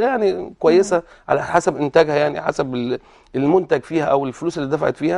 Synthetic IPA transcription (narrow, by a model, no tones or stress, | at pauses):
jaʕnikowæjːesæ | ʕa̰læħasæbʔɪnt̪æːɡhæjaʕnḭħa̰sæbe | elmont̪æɡfiːhæʔæwelfoluːselːiːd̪æfaʕḛt̪fiːhæ